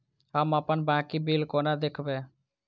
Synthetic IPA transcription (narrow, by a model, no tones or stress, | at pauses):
ɦəməpənbãːkibilkoːnad̪ekʰbẽː